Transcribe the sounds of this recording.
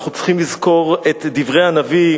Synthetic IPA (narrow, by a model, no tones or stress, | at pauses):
χut͡sχimlizko̞ʁet̪d̪ivʁejanavi